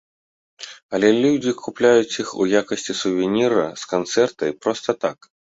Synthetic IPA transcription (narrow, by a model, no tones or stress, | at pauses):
ɐlʲɛlʲud͡zʲikʰuplʲajut͡sʲixṵjakɐsʲt͡sʲisuvʲinʲiɾɐskant̪sɛrt̪ɐjpɾɔst̪ɐt̪ak